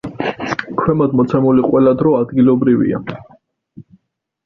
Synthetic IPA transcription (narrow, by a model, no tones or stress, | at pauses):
kʰwɛmɔd̪mɔt̪sʰɛmuliqʼwɛlad̪ɾɔad̪ɡilɔbɾivḭa̰